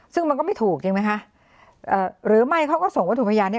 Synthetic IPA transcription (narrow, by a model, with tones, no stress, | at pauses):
sɯ˥˩ŋma˧nkɔː˥˩ma˥˩t̪ʰuː˨˩k̚t͡ɕi˧ŋma˦˥jkʰa˦˥ʔ | ʔɤː˨˩ɾɯː˩˦ma˥˩jkʰa˦˥˩wkɔː˥˩so˨˩ŋwaː˨˥˩t̪ʰːpʰːjaː˧nːi˥˩